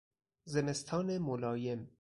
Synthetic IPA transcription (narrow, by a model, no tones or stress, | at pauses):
zemest̪ʰɒːnemolɒːje̞m